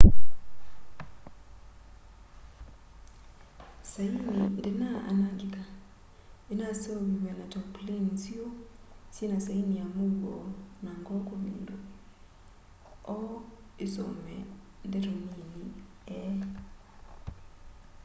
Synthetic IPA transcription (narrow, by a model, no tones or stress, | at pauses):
sainindenaa̰naɡika | enaseowimɛnatɔplensiosinasainiamuɡɔnaŋɡɔkomindo | ɔ | eso̰mɛ | ndɛtonini | ɛ